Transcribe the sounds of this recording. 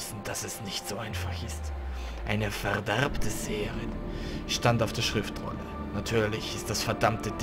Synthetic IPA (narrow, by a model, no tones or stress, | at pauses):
sn̩d̥asɛsnɪçtz̥oʔaɪnfaχɪst | ʔa̰ɪnəfɛɐdɛʁptʰəzeːəʁən | ʃtantaʊfd̥eːɐʃʁ̥ɪftʁʊ̰nə | natʰyːɐlɪçɪst̚d̥asfɛɐdamtəd